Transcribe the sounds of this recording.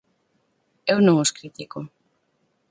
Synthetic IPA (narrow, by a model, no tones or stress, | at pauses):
ewnõŋoskɾit̪iko